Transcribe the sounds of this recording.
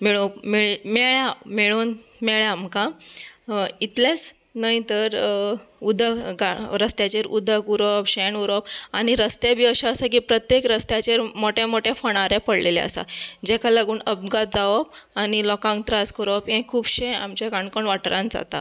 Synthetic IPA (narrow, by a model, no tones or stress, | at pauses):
miɭomiɭmɛɭjameɭuːnmɛɭaamka | it̪lẽt͡s | nait̪əɾud̪ʱəɡaɾəst̪jat͡ɕeɾud̪ʱəkuɾɔpɕɛnuɾɔpañiɾəst̪ebʱiːəɕaəsak̬iːpɾət̪jekɾəst̪jat͡ɕeɾmoʈẽmoʈɛfəɽ̃aɾɛpəɽlelɛ̰ə̰sa̰d͡ʑɛkʰalaɡuːɳəb̚ɡat̪̚d͡zaʋɔp̚anilɔkãŋk̚t̪ɾaskəɾopɦẽkʰːuːbɕɛ̃a̰mt͡ɕaɡaɳkoɳʋaʈɾãnd͡za̰t̪a̰